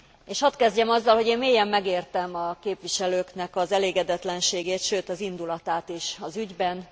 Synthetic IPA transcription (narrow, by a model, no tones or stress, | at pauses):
eːʃhɒt̪kɛzɟɛmɒzːɒlho̞ɟeːnmeːjɛmːɛɡeːrt̪ɛmɒkeːpʋiʃɛløːknɛkɒzɛleːɡɛd̪ɛt̪lɛnʃeːɡeːt̪ʃøːt̪ɒzind̪ulɒt̪aːt̪eːʃɒzyɟbɛn